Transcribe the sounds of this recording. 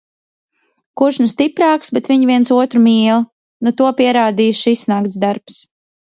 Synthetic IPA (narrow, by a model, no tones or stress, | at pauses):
kuɾʒnust̪ipɾaːksbɛt̪viɲvʲiɛntsuɔt̪ɾumiːlˠ | nut̪uɔpiɛɾaːd̪iːʃisnakt̪sd̪aɾps